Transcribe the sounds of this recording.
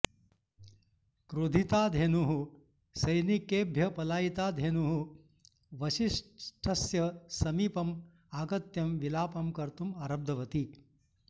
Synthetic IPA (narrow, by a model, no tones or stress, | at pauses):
kɾud̪ʱit̪aːd̪ʱenuɦu | sɐjnikeːbʱjɐpɐlaːjit̪aːd̪ʱenuɦu | ʋɐʃiʂʈʰɐsjɐsɐmiːpɐm | aːɡɐt̪jɐmʋilaːpɐmkɐɾt̪umɐɾɐb̚d̪ʱɐʋɐt̪i